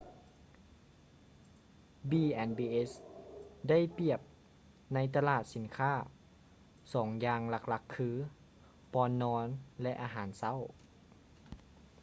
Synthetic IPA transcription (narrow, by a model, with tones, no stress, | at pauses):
biː˧ʔɛ˧nbiː˧ʔe˦˥s | da˥˩jpi˧˩əp̚ | na˧˥jt̪a˧laː˧˨˩t̪̚si˨˩˦nkʰaː˥˩ | sɔː˩˦ŋjaː˧ŋla˧˥k̚la˧˥kʰːɯː˧˥ | pɔː˧˥nːɔː˧˥nlɛ˦˧ʔaː˧ɦaː˩˦nsa˥˩˨w